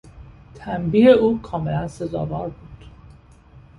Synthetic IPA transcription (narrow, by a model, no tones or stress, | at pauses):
t̪ʰæmbiːeuːkʰɒːme̞lænse̞zɒ̰ːvɒːɾbuːd̪̥